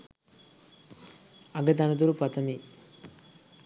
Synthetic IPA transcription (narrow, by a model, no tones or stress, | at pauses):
ɐɡɐt̪̬ɐnɐd̪uɾupɐt̪ɐmi